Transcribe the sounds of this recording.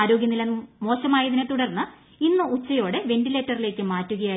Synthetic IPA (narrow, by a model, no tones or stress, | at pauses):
aːɾo̞ːɡjɐnilɐnmo̞ːɕɐmaːjɐðinet̪uɽɐrnːɨ | inːɨut͡ɕːɐjo̞ːɽe̞ʋe̞ɳɖile̞ːtːɐrile̞ːkːɨmaːtːuɣɐjaː